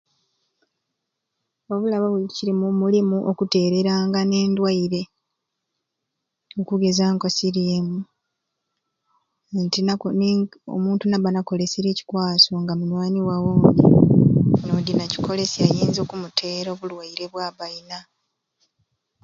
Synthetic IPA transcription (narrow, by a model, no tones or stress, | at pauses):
oβulaβaβuiciɾimumulimuʔokute̞ːɾe̞ɾaːŋɡane̞ːndwaiɾe̞ | okuɡe̞zaːŋko̞siɾeːmu | ntinano̰muːntunaβanako̞le̞siɾe̞ːci̥kwaːso̞ŋɡamunwaːniwawoːni | nodinaci̥ko̞le̞siajiːnzo̞ːkumutʰe̞ːɾo̞ːβulwaiɾe̞βwaːβaina